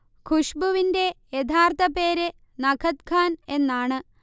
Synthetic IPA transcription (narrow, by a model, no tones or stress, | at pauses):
kʰuʂbuʋinde̞jet̪ʰaːrt̪ɐpe̞ːɾɨ | nɐkʰɐt̪kʰaːne̞nːaːɳɨ